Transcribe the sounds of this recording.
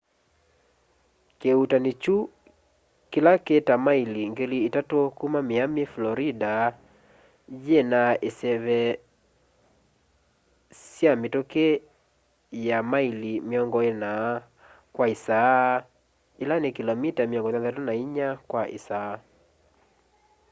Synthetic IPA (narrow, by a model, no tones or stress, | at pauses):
keutanet͡ʃu | kilaketamailiŋɡeliːtatokumameameflɔɾida | jenaʔesɛβɛ | sjametoke | jamailimeɔŋɡɔena | kwaisa | ilanekilɔmitamiɔŋɡɔtaðatunaiɲakwaʔḭsa